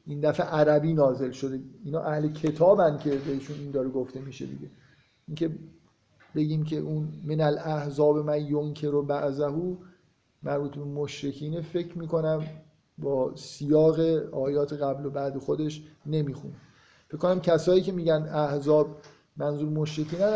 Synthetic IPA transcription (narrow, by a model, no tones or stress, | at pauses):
ʔind̪æfeʔæɾæbiːnɒːze̞lʃo̞d̪eiːnɒ̰ːʔæhle̞cʰe̞t̪ʰɒːbæncʰe̞beiʃuniːnd̪ɒːɾeɡoft̪e̞miːʃḛd̪ḭɡɟe̞ | ʔiŋcʰe̞ | be̞ɟiːmcʰḛʔunmenælæhzɒːbemænjoŋkʰe̞ɾobæʔzæhuː | mæɾbuːt̪ʰbe̞moʃɾekʰiːnefe̞kʰmiːko̞næm | bɒːsijɒːɣeɒːjɒːt̪ʰe̞ɣæblo̞bæd̪e̞xod̪e̞ʃne̞miːxṵn | fecʰːkːonæmcʰæsɒːiːce̞miːɟænd̪æhzɒːb | mænzuːɾmoʃɾecʰiːnæ